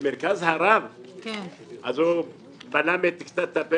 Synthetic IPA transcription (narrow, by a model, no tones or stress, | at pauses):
meɾkazhaɾaβa | a̰zo | banamet̪ikst̪at̪ape